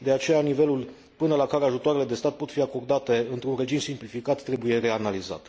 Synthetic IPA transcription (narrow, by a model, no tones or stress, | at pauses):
d̪e̞at͡ʃe̞janive̞lul | pɨnəlakaɾeaʒut̪oaɾele̞d̪e̞st̪at̪̚po̞t̪fiako̞rd̪at̪e̞ɨnt̪ɾunre̞d͡ʒimsimplifikat̪ːɾe̞buje̞re̞analiza̰t̪